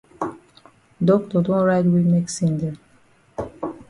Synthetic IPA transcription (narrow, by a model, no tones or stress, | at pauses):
dɔk̚tɔdɔ̃nɹaɪtwimeksĩndɛ